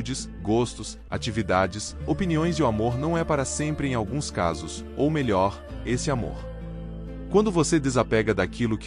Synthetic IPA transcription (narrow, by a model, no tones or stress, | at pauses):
d͡ʒɪs | ɡost̪ʊs | a̰t͡ʃivid̪ad͡ʒɪsopiniõj̃zɪʊamoɾnɐ̃w̃ɛpaɾɐsẽmpɾɪẽj̃awɡũska̰zʊs | owmeʎɔɾ | esɪamo̰ɾ | kwɐ̃nd̪ʊvosed̪ezapɛɡɐd̪akilʊk